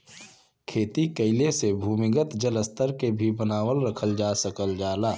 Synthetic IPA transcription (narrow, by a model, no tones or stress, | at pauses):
kʰeːt̪ikəɪlesebʱuːmɪɡət̪d͡ʒələst̪əɾkebʱibənaːwəlɾəkʰəld͡ʒaːsəkəld͡ʒaːlaː